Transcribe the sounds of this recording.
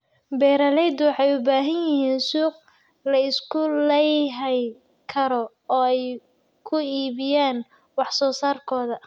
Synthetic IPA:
bɛːɾɐlɛjd̪wɑħɑjʊbaːɦɐnjɪɦiːnsuːq | lɐɪskʰʊlɛjɦɛj | kʰɐɾɔ | ɔːɛj | kʰʊiːβɪjaːn | wɑħsɔːsaːrkʰɔːðɐ

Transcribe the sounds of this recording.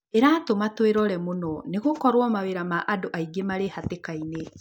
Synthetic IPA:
eɾaːtomatweɾɔɾɛmonɔneɣokɔɾwɔmaweɾamaʔadoʔaiɡemaɾehatekaine

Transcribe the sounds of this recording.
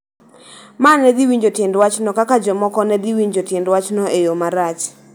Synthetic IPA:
manɛd̪iwiɲd͡ʒotjɛndwat͡ʃnɔkakad͡ʒɔmɔkɔnɛd̪iwiɲd͡ʒotjɛndwat͡ʃnɔejomaɾat͡ʃ

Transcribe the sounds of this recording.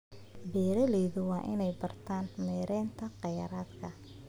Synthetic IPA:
bɛːɾɐlɛːðʊwɑːʔɪ̰nɛjbɐrt̪ʰaːnmɛːɾʔɛːnt̪ʰɐqɑjɐɾaːd̪kʰɐ

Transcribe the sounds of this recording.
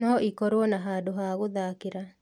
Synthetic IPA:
nɔʔikɔɾwɔnaɦaːdoɦaɣoðakeɾa

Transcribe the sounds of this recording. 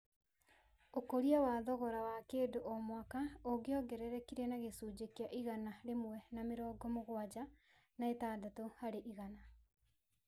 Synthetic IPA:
okoɾiawaðɔɣɔɾawakeːdoʔɔmwakaoɡeɔɡɛɾɛɾɛkiɾenaɣesuːd͡ʑekiaʔiɣanaɾemwɛnameɾɔːɡɔmoɣwad͡ʑa | naetaːdatohaɾeʔiɣana

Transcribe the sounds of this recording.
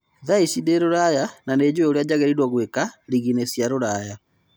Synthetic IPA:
ðaisideɾoɾajananed͡ʑweoɾead͡ʑaɣɛɾiɾwaɣwekaɾiɣinesjaɾoɾaja

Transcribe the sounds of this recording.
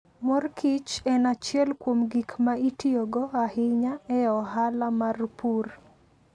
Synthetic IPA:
mɔrkit͡ʃɛnat͡ʃjɛlkwomɡikmaitioɡɔahɪɲaɛɔɦalamarpur

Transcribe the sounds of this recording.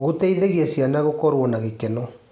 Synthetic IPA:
ɣoteiðeɣiesjanaɣokɔɾwɔnaɣekenɔ

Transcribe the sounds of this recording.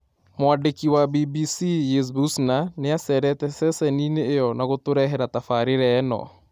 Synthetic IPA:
moandekiwabibisijes̬busnaneasɛɾɛtɛsɛsɛnineːjɔnaɣotoɾɛɦɛɾatafaɾeɾɛnɔ̰

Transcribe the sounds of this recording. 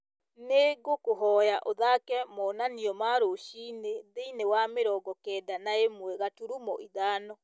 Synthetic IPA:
neɣokoɦɔjaʔoðakɛmɔnaniɔmaːɾoʃiːneðeinewameɾɔɡɔkɛːdanaemwɛɣatuɾumɔ̰ʔiðaːnɔ

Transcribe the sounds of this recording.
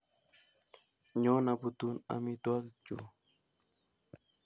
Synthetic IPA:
ɲonapʊt̪una̰mit̪uakt͡ʃṵ

